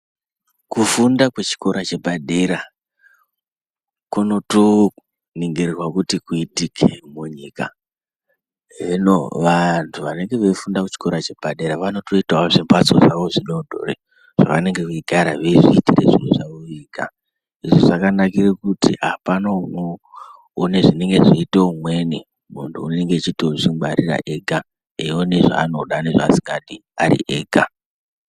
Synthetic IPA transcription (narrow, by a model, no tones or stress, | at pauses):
kufundakwet͡ʃi̥ko̞ɾat͡ʃe̞bʱaɗe̞ɾa | kuno̞to | niŋɡererwakutikuitikʰemuɲika̰ | ɦʐenoʋantʰuʋane̞ŋɡe̞ʋefundakut͡ʃi̥ko̞ɾat͡ʃe̞b̥ʱaɗe̞ɾaʋano̞to̞itaoʐimbat͡sozaʋo̞ʐinodʱo̰rḛ | ʐ̥a̰ʋane̞ŋɡe̞keiɡʱaɾa̰ʋeʐiːtirḛʐijeʐaoiːka̰ | iʐoʐakanakirekutḭapano | neʐine̞ŋɡe̞ʐiiteumwe̞ne | muntʰuuneŋɡet͡ʃitot͡ʃiaɾira̰ʔeɡʱa | eone̞ʐa̰ːno̞ɗaneʐaːsiŋɡaɗiaɾḭʔeːɡʱa